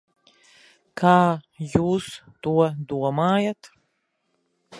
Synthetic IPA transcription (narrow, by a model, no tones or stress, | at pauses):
kʰaːjuːs | t̪uɔd̪uɔmaːjat̪